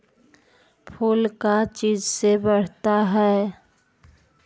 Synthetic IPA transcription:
pʰuːlkat͡ʃiːd͡ʒsebəɽ̤t̪aɦɛː

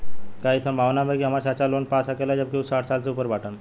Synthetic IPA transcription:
kaisəmbʱaʋnabʱakiɦamaɾɕat͡ɕalonpasakelad͡ʑəb̚kiusaʈʰsalt͡seupəɾʋaʈʰən

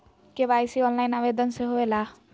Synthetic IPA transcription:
kebajsiɔnlajnabed̪ɔnseɦoela

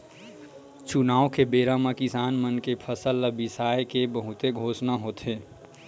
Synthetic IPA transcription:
t͡ʃunaːõkebeːɾamakɪsaːnmənkepʰəsəlːəbɪsaːjekebəɦʊt̪eɡʱoːsnaɦoːt̪eː

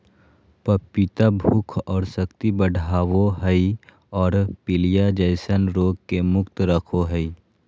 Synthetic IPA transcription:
pəpit̪abʱʊkʰɔːɾsɐkt̪ibəɽʱaːʋoɦəi | ɔːɾpɪlijad͡ʒəɪsənɾoːɡ̚kemʊkt̪ɾəkʰoɦəi

